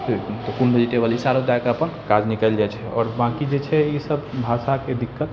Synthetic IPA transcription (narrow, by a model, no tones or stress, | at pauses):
t̪ɔkunbəd͡ʒeʈebəlisaɾod͡ʒaekeəpənkad͡ʒnikəld͡ʒajt͡ʃʰɛɔ̰ːɾbãkid͡ʒet͡ʃʰɛisəbbʱasaked̪ikːət̪